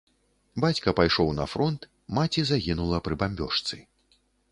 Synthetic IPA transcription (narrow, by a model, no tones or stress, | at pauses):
bat͡sʲkɐpajʂɔwnɐ̰fɾɔnt̪ | mat͡sʲizaɣʲinulˠɐpɾɨbamʲbʲɔʂt̪sɨ